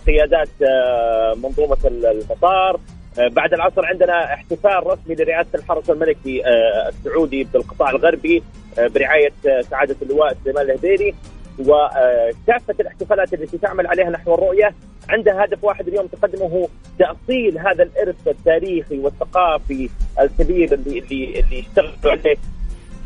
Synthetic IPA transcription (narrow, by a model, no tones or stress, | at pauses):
qɪjaːd̪aːt̪ | mɑnðˤuːmamɑt̪ˤɑːɾˤ | baʕd̪alʕɑsɾʕɪnd̪ɪnaʔɪħt̪ɪfaːlɾˤɑsmilɪɾɪʕaːsalħɑɾˤɑsalmalɪkia̰sːʊʕuːd̪ibɪlqɨt̪ˤɑːʕɪlɣɑɾˤbi | bɪɾɪʕaːjasaʕaːd̪alːɪwaːʔsʊlejmaːnɪlhd̪eːɾiwɪkaːfːalɪħt̪ɪfaːlaːt̪ɪlːat̪it̪ɪʕmalʕaleːhanaħwɑrˤːʊʔja | ʕɪnd̪hahad̪afwaːħɪd̪aljoːmt̪ɪ̥qɑd̪ːɪmʊɦ | t̪aʔsˤiːlɦaːðalʔɪɾθat̪ːaːɾiːxiwɪθːaqɑːfiʔalkabiːɾɪlːiɪlːijɪʃt̪aɣluʕaleː